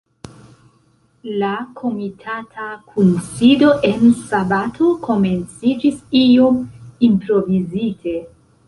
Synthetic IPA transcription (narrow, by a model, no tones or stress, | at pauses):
lakʰo̞mitʰatʰakʰunsido̞ʔe̞nsabatʰo̞ko̞me̞nt͡sid͡ʒisio̞mimpɾo̞vizitʰe̞